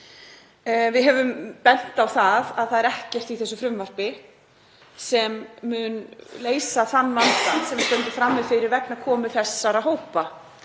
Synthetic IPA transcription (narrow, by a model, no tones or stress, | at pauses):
vɪðɦɛvʏmpɛn̥t̪awθaðaðθaðɛɾɛhcɛr̥t̪iθɛsːʏfɾʏmvar̥pɪ | sɛmːʏnleːjsaθanːlant̪ansɛmvst̪œnt̪ʏfɾamːɪðfɪɾɪɾvɛknakʰɔːmɪθɛ̥sːaɾaðɦoːwpa